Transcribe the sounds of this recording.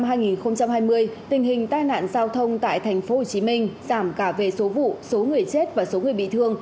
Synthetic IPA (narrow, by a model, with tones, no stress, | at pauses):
mɦaː˧jŋi˨˩nxə˧wŋ͡mt͡ɕa˧mhaː˧jmɨ˧əjt̪ï˨˩ŋ̟ɦï˨˩ŋ̟t̪aː˧jna̰ː˧˨nzaː˧wt̪ʰə˧wŋ͡mt̪a̰ː˧˨jt̪ʰɛ˨˩jŋ̟fo˨˦ho˨˩t͡ɕi˨˦mï˧ŋ̟zaː˧˩mkaː˧˩ve˨˩so˨˦vṵ˧˨so˨˦ŋɨ˨˩əjt͡ɕe˦˥t̚vaː˨˩so˨˦ŋɨ˨˩əjɓḭ˧˨t̪ʰɨ˧əŋ